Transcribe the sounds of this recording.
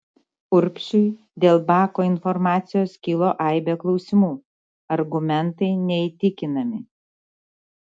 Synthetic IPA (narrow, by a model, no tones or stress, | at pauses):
ʊɾʲpʲʃʲʊɪ | d̪ʲeːlˠbɑːkoːɪnfɔɾmɑːt̪sʲɪjoːskʲɪlˠoːʔɑˑɪbʲɛklˠɒʊsʲɪmuː | ɐɾɡʊmʲɛnt̪ɐɪnʲɛit̪ʲɪkʲɪnɐmʲɪ